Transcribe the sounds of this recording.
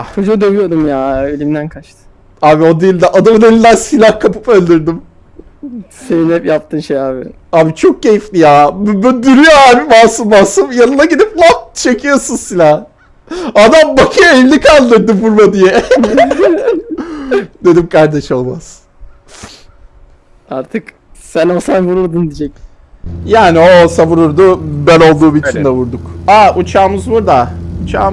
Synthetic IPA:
t͡ʃʰod͡ʒad̪øvijo̞d̪umjaelʲimd̪ænkʰat͡ʃt̪ʰɯ̥ | aːbio̞d̪ilʲd̪ɛʔad̪amɯnelʲilːænsilʲahkʰapʰɯ̥pølʲd̪iɾd̪im | se̞ninhɛpjap̚t̪ʰɯnʃejaːbɪ̰ | aːbit͡ʃʰo̞k̚ce̞jiflʲijaːmyyd̪iɾijoaːbibaːsunbasɯmjanɯnaɟid̪iplˠatt͡ʃʰe̞kʰijo̞sunsilʲah | ad̪ambakʰɯevlʲikʰalˠʲd̪ɯɾd̪ɯbuɾmad̪ijɛ | d̪e̞d̪imkʰaɾd̪ɛʃo̞lˠma̰z̥ | aɾt̪ʰɯk | sænosanvuɾuɾd̪und̪id͡ʒɛc̚ | jaːnioosavuɾuɾd̪ubæno̞lˠd̪uːbilʲt͡ʃʰind̪ɛvuɾd̪ukaut͡ʃʰaːmɯzbuɾd̪aut͡ʃʰa̰ː

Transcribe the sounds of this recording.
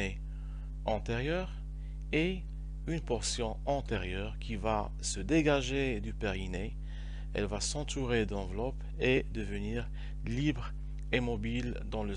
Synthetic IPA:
e | ɑ̃t̪eʁjœːʁ | e | ynpɔʁsjɔ̃ɑ̃t̪eʁjœːʁkʲʰiva | səd̪eɡaʒed̪ypɛʁine | ɛ̰lvasɑ̃t̪uʁed̪ɑ̃vlɔp | ed̪əvəniːʁ | libʁ | emɔbil | d̪ɑ̃lə

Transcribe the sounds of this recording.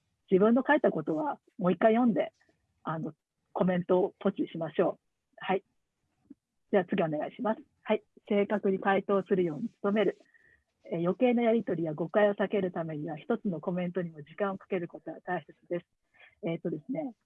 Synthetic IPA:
d͡ʑibɯ̟̃nːo̞kait̪ːako̞t̪o̞βa | mo̞ikːaijõ̞nd̪e̞ | ano̞ | ko̞mẽ̞nt̪o̞ːt̪o̞t͡ɕiɕimaɕo̞ː | hai | d͡ʑaβat͡sɨɡʲio̞ne̞ɡa̰iɕimasɨ̥hai | se̞ːkakɯ̟ɲ̟it̪ait̪o̞ːsɨɾɯ̟jo̞ːɲ̟it͡sɨ̥t̪o̞me̞ɾɯ̟ | ejo̞ke̞ːno̞jaɾʲit̪o̞ɾʲijaɡo̞kaio̞sake̞ɾɯ̟t̪ame̞ɲ̟iβaçi̥t̪o̞t͡sɨno̞ko̞mẽ̞nt̪o̞ɲ̟imo̞ʑikãɰ̃o̞kḁke̞ɾɯ̟ko̞t̪o̞βat̪aise̞t͡sɨd̪e̞sɨ̥ | eːt̪ːo̞d̪e̞sɨne̞

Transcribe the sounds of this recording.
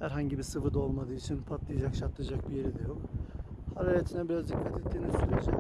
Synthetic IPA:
hæɾɦaɲɟibisɯvɯd̪o̞lˠmad̪ɯːit͡ʃʰinpʰat̪lˠɯjad͡ʒakʃaɾt̪ʰːˠɯd͡ʒak̚bije̞ɾid̪ɛjokhaɾalet̪ʰinɛbiɾazd̪ikʰːat̪ʰet̪ːiːnisyɾed͡ʒɛ

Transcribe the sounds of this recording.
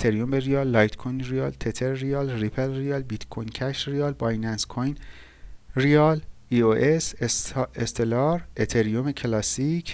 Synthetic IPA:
et̪ʰeɾijombeɾiɒːlːɒjt̪kʰojnɾijɒːlt̪ʰet̪ʰeɾrijɒːlripʰelriɒːlbit̪kʰojncʰæʃrijɒːlbɒjnænskʰojn | rijɒl | ioʔes | est̪ʰelɒɾet̪ʰeɾijomecʰelɒːsicʰ

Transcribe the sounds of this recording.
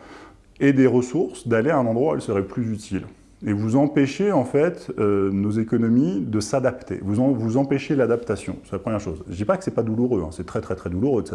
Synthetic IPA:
ed̪eʁəsuʁsd̪aleaɛ̃nɑ̃d̪ʁwaɛ̰lsəʁɛplyzyt̪ʰil | evuzɑ̃peʃeɑ̃fɛt̪ønozekɔnɔmid̪əsad̪apt̪ḛvuzɑ̃vuzɑ̃peʃelad̪apt̪asjɔ̰̃sɛlapχəmjɛʁʃozʒəd̪ipakə̥sɛpad̪uluʁøɛ̃sɛt̪χɛt̪χɛt̪χɛd̪uluʁød̪əsa

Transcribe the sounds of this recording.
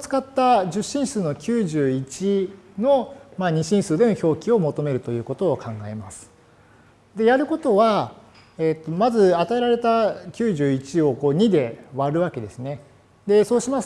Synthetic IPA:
t͡sɨ̥kat̪ːaʑɨɕːĩɰ̃sɨːno̞kʲɨːʑɨːit͡ɕino̞maɲ̟iɕĩɰ̃sɨːd̪e̞no̞ço̞ːkʲio̞mo̞t̪o̞me̞ɾɯ̟t̪o̞jɯ̟ːko̞t̪o̞ːkʰãŋɡae̞masɨ̥ | d̪e̞jaɾɯ̟ko̞t̪o̞βa | et̪ːo̞mazɨat̪ae̞ɾaɾe̞t̪akʲɨːʑɨːit͡ɕio̞ko̞ːɲ̟id̪e̞βaɾɯ̟βake̞d̪e̞sɨne̞ | d̪e̞so̞ːɕimas

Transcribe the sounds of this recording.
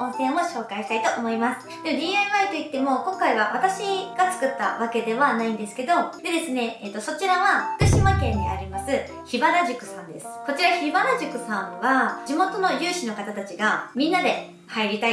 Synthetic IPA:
õ̞ɰ̃sẽ̞o̞ɕo̞ːkaiɕi̥t̪ait̪o̞ʔomo̞imasɨ̥d̪emod̪ʲiːaβait̪o̞it̪ːe̞mo̞kõŋkaiβaβat̪aɕiɡ̥at͡sɨ̥kɯ̟t̪ːaβake̞d̪e̞βanaĩnd̪e̞sɨ̥ke̞d̪o̞d̪e̞d̪e̞sɨne̞ːt̪ːo̞so̞t͡ɕiɾaβaɸɯ̥kɯ̟ɕimakẽ̞nd̪ḛa̰ɾʲimasɨ | çibaɾaʑɨkɯ̟̥sãnd̪e̞sɨ̥ko̞t͡ɕiɾaçibaɾaʑɨkɯ̟sãɰ̃βad͡ʑimo̞t̪o̞no̞jɯːɕino̞kat̪at̪at͡ɕiɡamʲĩnːad̪e̞ | haiɾʲit̪ai

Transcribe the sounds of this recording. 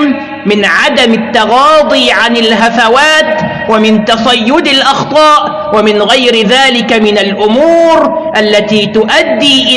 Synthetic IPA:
m | mɪnʕad̪amat̪ːɑɣɑːd̪ˤiːʕanalɦafawaːt̪ | wamɪnt̪ɑsˤɑjːʊd̪alʔɑxt̪ˤɑːʔ | wamɪnɣajɾɪðaːlɪkamɪnalʔʊmuːɾʔalːat̪iːt̪ʊʔad̪ːiːʔɪ

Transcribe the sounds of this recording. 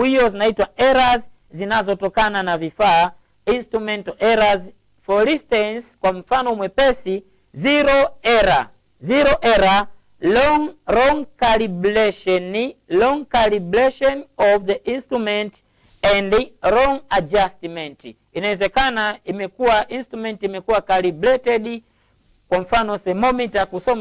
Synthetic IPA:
wijɔzinaitwaɛɾaz | zinazɔtɔkananavifa | instɾumɛntɔʔɛɾaz | fɔɾĩstanskwam̩fanɔmwɛpɛsi | ziɾɔɛɾa | ziɾɔʔɛɾa | lɔŋɾɔŋkalibulɛʃɔnilɔŋkaliblɛʃɔnɔvðəʔinstɾumɛnt | ɛndɾɔŋad͡ʒastimɛnt | inaɛzɛkanaimɛkuwaʔinstɾumɛ̃ntimɛkuwakaliblɛtɛdi | kwam̩fanɔsɛmɔmitakusɔm

